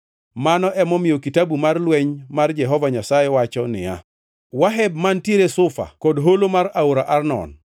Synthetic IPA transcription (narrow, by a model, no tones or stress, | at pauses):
manɔʔɛmɔmɪjokitabumarlwɛɲmard͡ʒɛɦɔvaɲasajɛwat͡ʃɔnɪ̰ja̰ | waɦɛbmantjeɾesʊfa̰kɔdɦolomaɾaoɾaʔarnɔ̰n